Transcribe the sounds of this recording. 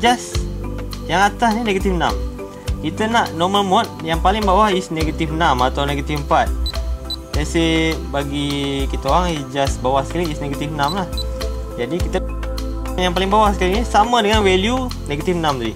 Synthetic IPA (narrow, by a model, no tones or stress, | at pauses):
d͡ʒas | jaŋat̪asnineɡat̪ifna̰m | kit̪ənaʔnɔməlmɔt̪̚jaŋpalɪŋbawahsneɡat̪ifnamat̪awneɡat̪ifmpat̪̚ | jasihbaɡikit̪əoaŋid͡ʒasbawahsə̥kalisneɡat̪ifnãmlah | d͡ʒadikit̪ə | ŋjaŋpalɪŋbawahsə̥kalinisamədəŋanwelju | neɡat̪ifnamd̪adi